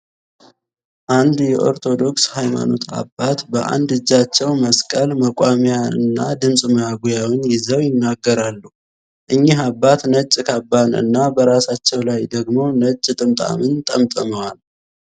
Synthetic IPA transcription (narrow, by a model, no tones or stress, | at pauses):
ʔand̪jɛʔo̞̰ɾt̪ʰo̞d̪o̞kshajma̰no̞̰t̪ʰa̰bːat̪bəʔa̰nd̪ɨd͡ʒːat͡ʃːɛwməskʼəlməkʼamjaɨ̰nːad̪ɨmsʼməjaɡujawɪnjɪzəwjɪnːaɡːəɾalːu | ʔɨɲːiɦabːat̪nət͡ʃʼːkʰabːanɨ̰nːabəɾasat͡ʃːɛwlajd̪əɡmo̞nət͡ʃʼːt̪ʼɨmt̪ʼa̰mɨnt̪ʼəmt̪ʼəməwal